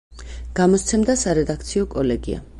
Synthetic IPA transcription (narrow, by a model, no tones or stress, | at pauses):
ɡ̥amɔst̪sʰɛmd̪asaɾɛd̪ak̚ʰt̪sʰiɔkʼɔlɛɡia̰